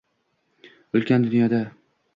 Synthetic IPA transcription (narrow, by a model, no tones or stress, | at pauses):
olˠkʲand̪ʊnjɒd̪a